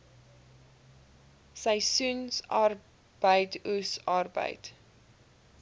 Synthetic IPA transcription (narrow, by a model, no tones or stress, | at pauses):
səjsunsɑr | b̥əjtusɑrbə̰jt